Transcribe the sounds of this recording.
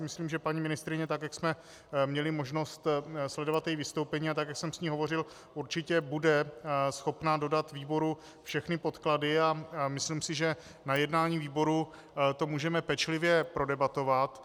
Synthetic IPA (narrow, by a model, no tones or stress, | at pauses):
mɪsliːmʒɛpaɲimɪnɪst̪ɾɪɲɛt̪akjaksmɛ | mɲɛlɪmo̞ʒno̞st̪slɛdo̞vat̪jɛjivɪst̪owpɛɲiːat̪akjaksɛmsɲiːɦovo̞rɪl | ʔuɾt͡ʃɪcɛbudɛsxo̞pnado̞dat̪viːbo̞ɾu | fʃɛxnɪpo̞t̪kladɪamɪsliːmsɪʒɛ | najɛdnaːɲiːviːbo̞ɾu | t̪o̞muːʒɛmɛpɛt͡ʃlɪvjɛpɾo̞dɛbat̪o̞vat̪